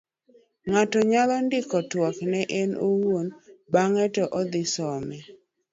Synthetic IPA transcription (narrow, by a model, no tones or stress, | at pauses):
ŋatɔɲalɔndɪkɔtwɔknɛʔɛnuwwonbaŋɛtɔʔɔd̪ɪsɔmɛ